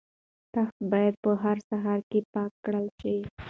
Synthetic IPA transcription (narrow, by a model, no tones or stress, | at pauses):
t̪axt̪̚bɑjad̪̚pəɦaɾsaɦɑɾkepɑkːɽəlʃi